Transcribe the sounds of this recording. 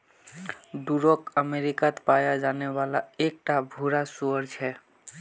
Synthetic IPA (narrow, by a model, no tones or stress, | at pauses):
ɖuɾokəmeɾikat̪pajad͡ʒanɛwalaek̚ʈabʱuɾasuəɾt͡ʃʰɛ